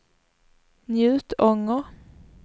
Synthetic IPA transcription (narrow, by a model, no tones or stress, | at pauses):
njʉ̟ːt̪ɔŋəʁ